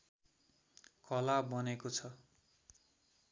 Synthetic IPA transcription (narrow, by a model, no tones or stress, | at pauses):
kʌlabʌnekot͡sʰʌ